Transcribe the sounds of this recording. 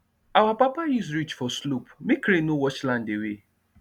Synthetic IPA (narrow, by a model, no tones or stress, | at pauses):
awapapajusɾit͡ʃfɔslupmekɾenowɔt͡ʃlãndewe